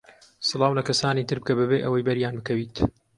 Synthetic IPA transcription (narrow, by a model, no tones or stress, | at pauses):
sɨlˠɑːwlɐkɐsaːniːt̪ɨɾb̚kɐbɨbeːʔɐwɐjbɐɾjaːnbɨkɐwiːt̪